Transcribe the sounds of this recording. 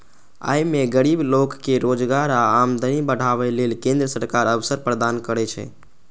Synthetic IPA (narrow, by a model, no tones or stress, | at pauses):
a̰jmeɡəɾiblokːeɾod͡ʒɡaɾaamd̪ʱənibəɽ̤aβɛlelkẽnd̪ɾəsəɾkaɾəʋsəɾpɾəd̪ankəɾɛt͡ʃʰɛ̰